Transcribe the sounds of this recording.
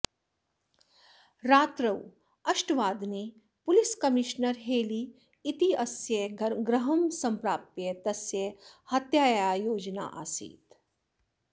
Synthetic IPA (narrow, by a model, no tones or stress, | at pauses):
ɾaːt̪ɾɐw | ɐʃʈʋaːd̪ne | pʊliskɐmiʃnəɾɦeːliː | t̪iɐsjɐɡɾɐɦɐmsɐ̃mpɾaːpjɐt̪ɐsjɐhɐt̪jaːjaːjoːd͡ʒna̰ːʔa̰sḭːt̪